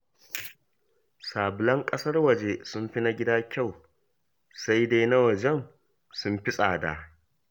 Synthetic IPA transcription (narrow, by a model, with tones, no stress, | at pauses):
saː˨bʊ˨lɐ˦ŋkʼɐ˦sɐ˦rwɐ˨d͡ʒe˨sʊ˦mɸi˦na˦ɡʲɪ˦daː˦kʲa˦˨w | sa˦jda˦jna˦wɐ˨d͡ʒɛ˦n | sʊ˦mɸɪ˦sʼaː˨da̰˨